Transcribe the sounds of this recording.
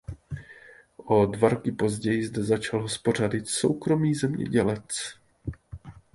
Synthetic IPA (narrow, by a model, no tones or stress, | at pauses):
ʔo̞dvaɾo̞kɪpo̞zɟɛjɪzdɛzat͡ʃalɦospo̞r̝adɪt̪so̞̰wkɾo̞miːzɛmɲɛ̰ɟɛlɛt͡s